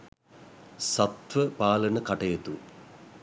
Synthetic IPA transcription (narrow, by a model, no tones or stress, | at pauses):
sɐt̪ʋəpaːlɐnəkɐʈɐjɐt̪u